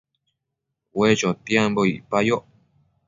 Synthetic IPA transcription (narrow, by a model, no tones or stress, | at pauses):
wet͡ʃot̪jemboḭpajo